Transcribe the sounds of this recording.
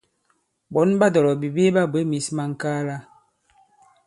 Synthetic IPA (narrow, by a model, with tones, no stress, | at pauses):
bɔ˨˦nba˦dɔ˨ɾɔ˨bi˨bi˦ba˦be˦mi˨˦sma˦ŋ̩˨kaː˦la˦